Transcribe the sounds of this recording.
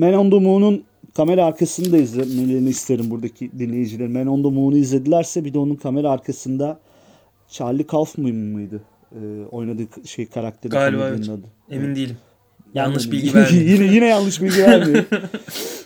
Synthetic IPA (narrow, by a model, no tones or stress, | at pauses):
mænond̪omuːnun | kʰame̞ɾaːɾkʰasɯnɯd̪aizlʲemnelʲe̞ɾiniist̪ʰejeɾimbuɾd̪acʰid̪inlʲe̞jid͡ʒilʲe̞ɾimænond̪omuːnuɯizlʲe̞d̪ilʲæɾsɛbid̪ɛo̞nunkʰame̞ɾaːɾkʰasɯnd̪a | t͡ʃʰaɾlʲikʰalˠfmɯjmmɯjd̪ɯ | ɯːo̞jnad̪ɯːʃejkʰaɾak̚t̪ʰe̞ɾaanˠad̪ɯ | emind̪ijilʲm | janlˠɯʃbilʲɡijinɛjinɛjanlˠɯʃbilʲɟivæɾmi